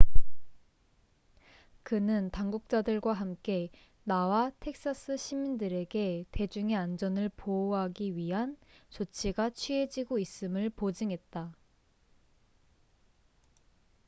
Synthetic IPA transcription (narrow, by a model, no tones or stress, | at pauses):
kɯnɯntaŋɡuk̚t͡ɕ͈adɯɭɡwaɦamk͈e̞ | nawatʰe̞k̚s͈as͈ʰɯɕʰimindɯɾe̞ɡe̞te̞d͡ʑuŋe̞and͡ʑʌnɯɭpooɦaɡiɥiɦant͡ɕot͡ɕʰiɡat͡ɕʰɥie̞d͡ʑiɡois͈ɯmɯɭpod͡ʑɯŋɦe̞t̚t͈a